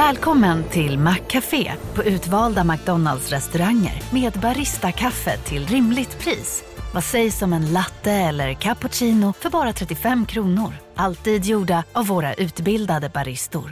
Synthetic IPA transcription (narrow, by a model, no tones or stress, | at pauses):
vɛːlkʰɔmːənt̪ʰɪlmakʰːafḛːpʰɔʉ̟ːt̪vɑːld̪amak̚d̪ɔnald̪sɾɛst̪ɵɾaŋːə̰ɾmeːd̪baɾɪst̪akʰafːə̰t̪ʰɪlɾɪmlɪɡt̪pʰɾiːs | vasɛjsɔmɛnlat̪ːəɛlːəɾkʰapʊʂiːnʊfœɾbɑːɾat̪ʰɾɛt̪ːɪfɛmːkʰɾuːnʊɾʔalt̪iːd̪juːɖaavːoːɾa̰ʔʉ̟ːt̪bɪld̪ad̪əbaɾɪst̪ʊ̰ɾ